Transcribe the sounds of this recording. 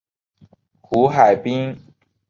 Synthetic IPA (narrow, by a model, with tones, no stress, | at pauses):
xu˧˥xa˨˩ɪpi˥ŋ